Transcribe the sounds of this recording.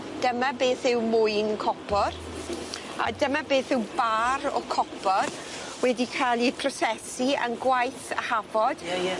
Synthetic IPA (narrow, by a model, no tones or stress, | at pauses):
d̥əmabeːθɪwmʊjnkʰɔpʰɔr | a̰dəmabeːθɪwbaɾɔ̰kʰɔpʰɔr | wɛdikʰalˠipʰrɔsɛsiə̰nɡwajθa̰havɔd̥